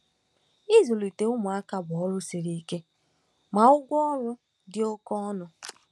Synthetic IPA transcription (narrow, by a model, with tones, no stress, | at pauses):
i˦zu˨li˨te˨ʊ˦mʊ˨a˦ka˨bɔ˦ɾʊ˦si˨ɾi˨˦ke˦ | ma˨ʊ˦ɡʷɔ˦ɾʊ˦ | dɪ˦o˦kɔ˦ɔ˦nʊ˨